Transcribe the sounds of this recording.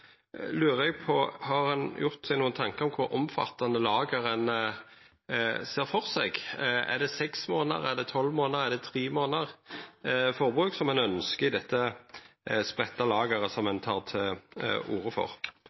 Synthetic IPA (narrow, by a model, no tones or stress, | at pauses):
lʉːʁɛɡpʰɔhɑʁhɑnjʊʁt̪sɛɡnuːənt̪ʰɑŋkəʁɔmkʰʊɾɔmfɑ̰t̪ːɑnd̪əlɑːɡəʁənə | seːʁfɔʁsɛɡæ̰ʁd̪ɛsɛksmoːnə̰ʁæʁd̪ɛt̪ʰɔlːmoːnəʁæʁd̪ɛt̪ʰʁiːmoːnəʁ | fɔʁbʁʉːksɔmɛnœnskəɪd̪ɛt̪ːə | spʁɛt̪ːɑlɑːɡəʁəsɔmɛnt̪ʰɑːʁt̪ʰɛuːʁəfɔ̰ʁ